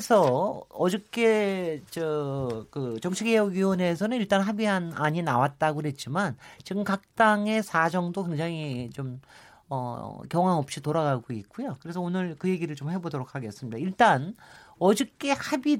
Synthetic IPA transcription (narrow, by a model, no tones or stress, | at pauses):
sʰʌʌd͡ʑik͈e̞t͡ɕʌkɯt͡ɕʌŋt͡ɕʰiɡejoɡiwʌne̞s̬ʰʌnɯniɭt͈anɦabianaɲinawat̚t͈aɡoɦe̞t̚t͡ɕ͈imant͡ɕiɡɯmkak̚t͈aŋe̞sʰad͡ʑʌŋdoke̞ŋd͡ʑaŋit͡ɕom | ʌ̰kjʌŋɦaŋʌp̚ɕ͈itoɾaɡaɡoit̚k͈ujokɯɾe̞sʰʌonɯɭkɯje̞ɡiɾɯɭt͡ɕomhe̞bodoɾokʰaɡe̞s͈ɯmɲidaiɭt͈anʌd͡ʑʌk͈e̞habi